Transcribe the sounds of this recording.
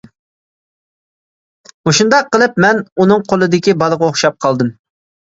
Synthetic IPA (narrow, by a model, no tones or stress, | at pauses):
moʃund̪ɑqːəlˠɨp̚mɛnunɨŋqʰolˠɨd̪ɪkʲibɑlˠəʁɑoχʃɑp̚qʰɑlˠd̪ɨm